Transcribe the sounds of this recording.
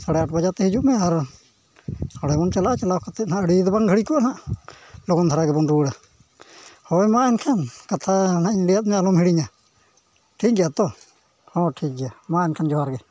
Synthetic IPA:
saɽɛaʈʰbad͡ʒat̪ɛɦid͡ʒuʔmɛ̃aɾ | hɔɽɛbɔnt͡ʃalaʔat͡ʃalakat̪ɛnãʔəɽid̪baŋɡʱəɽikɔʔanaʔ | loɡɔnd̪ʰaɾaɡɛbɔnɾuɽa | hɔjmãɛnkʰankat̪ʰanaʔɲɽijat̪̚mɛalɔmɦiɽiɲa | ʈʰiːk̚ɡɛjat̪ɔ | hɔʈʰiːk̚ɡɛjamãɛnkʰand͡ʒɔɦaɾɡɛ

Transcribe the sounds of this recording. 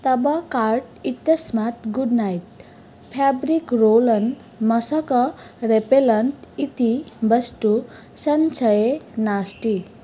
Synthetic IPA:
t̪ʌbʌkarʈit̪jʌsmat̪ɡuɖnajʈ̚ | pʰabɾikrolʌn | mʌsʌkʌɾepelʌnʈit̪ibʌsʈu | sʌnsʰʌjenasʈi

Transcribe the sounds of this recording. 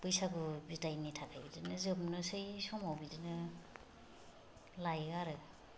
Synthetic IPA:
pɯjsaɡubitajnitʰakʰajbidɯnɯzɯmnɯsɯjsɔmawbidɯnɯ | lajɡaɾɯ

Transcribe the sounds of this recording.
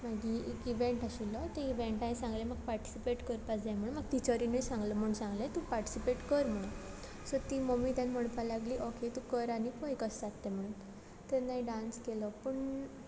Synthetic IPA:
maɡiekiʋẽɳʈaɕilːɔt̪eiʋeɳʈaɦesãŋɡleməɡ̚paɾʈi̥sipeʈkəɾpat͡sd͡zajm̤əɭ̃unmaɡ̚t̪it͡ɕəɾinəjsãŋɡlɔm̤əũnsãŋɡlat̪upaɾʈi̥sipeʈkəɾm̤əɽ̃uːn | sɔt̪iːmomiːt̪janm̤əɽ̃p̪alaɡliːʔɔkʰet̪ukəɾañikojkəstat̪ːem̤əɽ̃uːn | t̪enaɦiɖãnskelɔpəɳ

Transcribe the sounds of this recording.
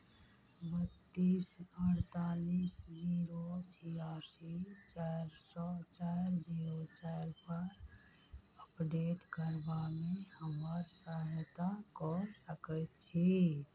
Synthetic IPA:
bət̪ːiːsəɾt̪aːlisd͡ʒiːɾot͡ʃʰijasit͡ʃaɾsɔt͡ʃaːɾd͡ʒiːɾot͡ʃaɪɾpəɾ | əpɖeːʈkəɾbamẽhəməɾsaɦt̪akɔsəkət̪t͡ʃʰi

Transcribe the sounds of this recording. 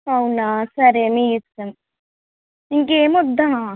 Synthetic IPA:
ɐwunaːsɐɾeːmiisɐm | iŋkeːmɔd̪ːaɦa

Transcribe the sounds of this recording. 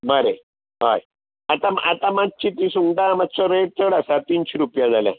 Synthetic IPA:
bəɾe | ɦaj | at̪amat̪amat̪̚t͡ɕit̪isuŋɡɖamat̪̚t͡sɔɾeʈ̚t̪əɽasat̪iːnɕiɾupjad͡zaljã̰

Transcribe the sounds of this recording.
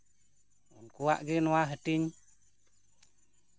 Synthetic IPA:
ṵnkuwaʔɡinuwaɦətiɲ

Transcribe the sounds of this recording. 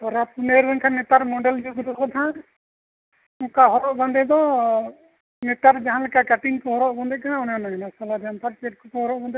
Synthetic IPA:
t̪ɔɾapuneɾbɛnkʰanɛt̪aɾmɔɖɛld͡ʒuɡɾɔkɔt̪ʰã | ukaɦɔɾɔʔband̪ɛd̪ɔ | nɛt̪aɾd͡ʒaɦanlɛkakaʈiŋkɔɦɔɾɔʔband̪ɛkanãɔnanaɛnasalaɾɛampʰaɾpeʈ̚kʰukɔɦɔɾɔʔband̪ɛ

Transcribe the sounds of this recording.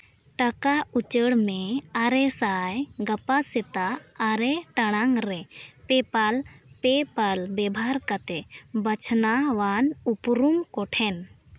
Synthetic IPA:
ʈɐkaut͡ʃəɽmẽaɾesaːjɡɐpasɪt̪aːɾeʈɐɽ̃aŋɾepepalpepalbɛbʱaɾkət̪ebət͡ʃʰnaʋanupɾumkɔʈʰɛn

